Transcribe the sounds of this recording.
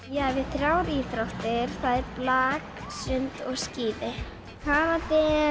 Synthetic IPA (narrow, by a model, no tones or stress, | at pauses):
jaːvɪðθɾjawɾiːθɾawht̪ɪɾ̥θaðɛɾplaːksʏnt̪ɔɣsciːðɪ | haɾat̪ɪ